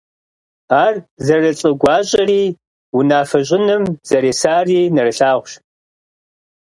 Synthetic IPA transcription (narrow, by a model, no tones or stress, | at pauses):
aːrzɐrɐt͡sʼɨɡʷɑːɕʼɐriː | wʊnaːfɐɕ̬ʼɪnɨmz̥ɐɾeːsaːriːnɐrɨɬaːʁʷʃ